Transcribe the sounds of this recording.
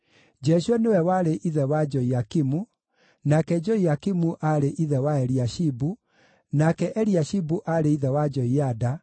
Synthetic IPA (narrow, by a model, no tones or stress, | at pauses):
d͡ʒɛʃwɛnewɛwaɾeʔiðɛwad͡ʒɔiakimu | nakɛd͡ʒɔijakimuʔaɾeʔiðɛwaɛɾiaʃibu | nakɛʔɛɾiaʃibuʔaɾeiðɛwad͡ʒɔiada